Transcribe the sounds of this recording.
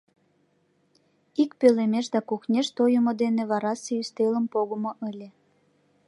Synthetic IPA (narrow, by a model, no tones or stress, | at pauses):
ikpølemeʃd̪ɑkuxnʲeʃt̪ojəmod̪eneβɑɾɑseyst̪eləmpoɣəmoʔəlʲe